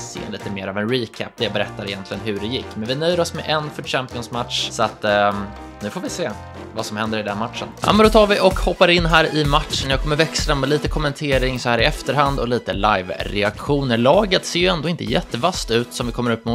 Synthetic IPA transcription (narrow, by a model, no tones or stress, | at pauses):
sḛːliːt̪əmeːɾavɛnɾiːkʰæ̰p̚ːd̪ɛjabɛɾɛt̪ːaɾɪjɛnt̪lɪɡənɦɵɖɛjɪkːmɛnvɪnœjəɾɔsmɛʔɛnfœɕæmpɪɔnsmat̪ʂsɔat̪ː | nʉ̟ːfoːɾvɪseː | vasɔmhɛnd̪əɾɪd̪ɛnmat̪ʂə̰nha̰mɛnd̪ɔt̪ʰɑːɾvɪʔɔkhɔpːaɾɪnːɦæːɾɪmaʈ̪ʂənjɑːkʰɔmːəɾvɛksəɾənmɛliːt̪əkʰɔmɛnt̪ʰeːɾɪŋsɔhæːɾɪɛft̪əɾɦand̪ɔliːt̪əlajvɾɛakɧuːnəɾlɑːɡət̪seːjɵɛnd̪oːɪnt̪ə̰jɛt̪ːəvast̪ʉ̟ːt̪sɔmvɪkɔmːəɾɵpːmʊ